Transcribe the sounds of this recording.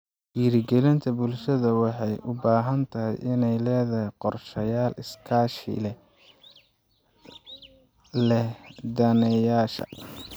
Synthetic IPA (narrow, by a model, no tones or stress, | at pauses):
wiːɾɪɡɛlɪnt̪ʰɐbʊlʃɐðɐwɑħɑjʔʊbaːɦɐnt̪ʰɐɦɪ̰jʔɪnɛjlɛːðɐhɛjqɔrʃɐjaːlɪskʰaːʃɪ̰lɛ | lɛd̪ɐnɛjaːʃɐ̰